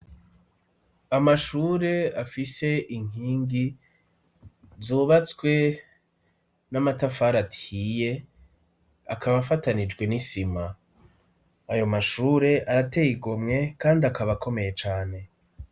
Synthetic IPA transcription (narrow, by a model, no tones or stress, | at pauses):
amaʃuːɾe̞afise̞ʔiŋ̥iːŋɡi | zuːβat͡swe̞ | namatafaːɾatiːje̞ | akʰaβafatanid͡ʒɡwe̞nisima | jo̞maʃuːɾe̞ʔaɾatejiɡomŋe̞kaːndiakaβako̞me̞je̞t͡ʃaːne̞